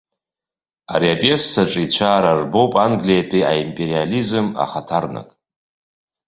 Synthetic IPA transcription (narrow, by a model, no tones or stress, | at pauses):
a̰ɾiapʼesːaʈ͡ʂʼit͡ɕʷʰaːɾarbo̞wpʼanɡlijapʼiaimpʼe̞ɾializɨma̰χatʰarna̰kʼ